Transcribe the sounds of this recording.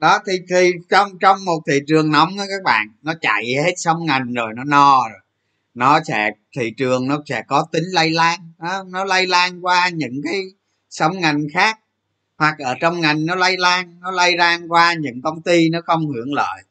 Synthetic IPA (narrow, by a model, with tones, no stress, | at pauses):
ɗɔ˨˦t̪ʰi˨˩t̪ʰi˨˩t͡ɕɔ˧wŋ͡mt͡ɕɔ˧wŋ͡mmo˨˩t̚t̪ʰḭ˧˨t͡ɕɨ˨˩əŋnɔ˨˦wŋ͡mʔa˨˦kaː˦˥k̚ɓa̰ː˧˨nnɔ˨˦t͡ɕa̰˧˨jhe˦˥t̚sə˨˦wŋ͡mŋa˨˩jŋ̟zo˨˩jnɔ˨˦nɔ˧zo˨˩j | nɔ˨˦sɛ̰˧˥t̪ʰḭ˧˨t͡ɕɨ˨˩əŋnɔ˨˦sɛ̰˧˥kɔ˨˦t̪ï˨˦ŋ̟lə˧jlaː˧ŋnɔ˨˦nɔ˨˦lə˧jlaː˧ŋkwaː˧ɲɨ̰˧˥ŋkaː˨˦j | sə˨˦wŋ͡mŋa˨˩jŋ̟xaː˦˥k̚ | hwa˨˩k̚ʔəː˧˩t͡ɕɔ˧wŋ͡mŋa˨˩jŋ̟nɔ˨˦lə˧jlaː˧ŋnɔ˨˦lə˧jzaː˧ŋkwaː˧ɲɨ̰˧˥ŋkə˧wŋ͡mt̪i˧nɔ˨˦xə˧wŋ͡mhɨ˧˩əŋlə̰ː˧˨j